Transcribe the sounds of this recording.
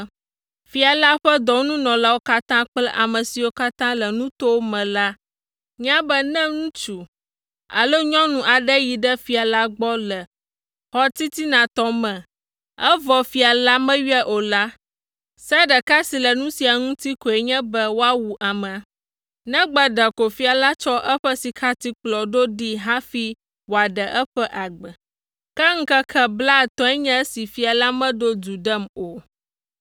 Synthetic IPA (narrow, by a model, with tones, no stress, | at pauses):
fi˨a˨la˦ɸɛ˦d̪ɔ˨˦nũ˦nɔ̃˨la˦wo˦ka˦t̪ã˦k͡plɛ˦ʔa˨mɛ̃˨si˨wo˦ka˦t̪ã˦lɛ˨nũ˦t̪o˦wo˦mɛ̃˨la˦ | ɲ˦ã˦bɛ˦nɛ̃˦ŋũ˦t͡ʃu˨ | a̰˨lo˦ɲɔ̃˦nũ˨ʔa˨ɖɛ˦ji˨ɖɛ˦fi˨a˨la˦ɡ͡bɔ˦lɛ˨ | hɔ˦t̪i˦t̪i˦nã˨t̪ɔ˦mɛ̃˨ | ɛ˦vɔ˨fi˨a˨la˦mɛ̃˦ɥi˦ɛ˦ʔo˨la˦ | sɛ˦ɖə˨ka˦si˨lɛ˨nũ˦si˨a˨ŋũ˦t̪i˦ko˨ɛ˨ɲɛ̃˦bɛ˦wo˦a˦wu˨ʔa˨mɛ̃˨a˨ | nɛ̃˦ɡ͡bə˦ɖə˨ko˨fi˦a˨la˦t͡ʃɔ˦ʔɛ˦ɸə˦si˨kʰa˦t̪i˦k͡plɔ˨ɖo˦ɖi˦ɦa˦fi˦ | wo˨a˨ɖə˨ʔɛ˦ɸɛ˦ʔa˨ɡ͡bə˨ | kɛ˦ŋ̩˦kɛ˦kʰɛ˦bla˦˨t̪ɔ̃˦ɛ˦ɲɛ̃˦si˨fi˦a˨la˦mɛ̃˦ɖo˦d͡ʒu˨ɖə˦mo˨